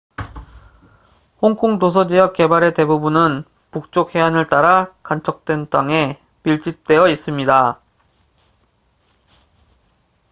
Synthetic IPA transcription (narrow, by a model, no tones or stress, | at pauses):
hoŋkʰoŋtosʰʌd͡ʑijʌk͈̚e̞baɾe̞te̞bubunɯn | puk̚t͡ɕ͈okhe̞anɯɭt͈aɾakant͡ɕʰʌk̚t͈we̞nt͈aŋe̞ | piɭt͡ɕ͈ip̚t͈e̞jʌis͈ɯmɲida